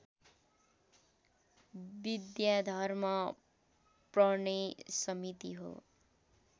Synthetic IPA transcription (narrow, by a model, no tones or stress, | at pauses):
bid̪jad̪ʱʌrmʌ | prʌnesʌmit̪iɦo̰